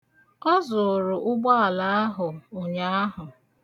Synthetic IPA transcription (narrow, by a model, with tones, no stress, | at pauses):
ɔ˦zʊ˨ɾʊ˨ʔʊ˦ɡ͡bɔ˦a˨la˨˦a˦ɦʊ˨o˨ɲa˦a˦ɦʊ˨